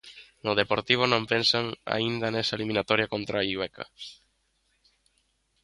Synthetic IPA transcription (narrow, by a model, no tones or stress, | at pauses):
nʊð̞epoɾt̪iβ̞ʊnõmpensaŋa̰ind̪ɐnɛsɐaelimĩnat̪ɔɾjakont̪ɾaiwɛka̰